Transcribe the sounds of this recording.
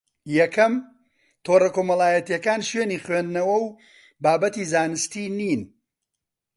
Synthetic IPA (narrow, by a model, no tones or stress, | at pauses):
jɛkʰɐm | t̪ʰoːrɐkoːmɐlˠaːjɐt̪jɛkaːnʃɥeːniχɥeːnd̪ɨnɐwɐw | baːbɐt̪iːzaːnɨst̪iːniːn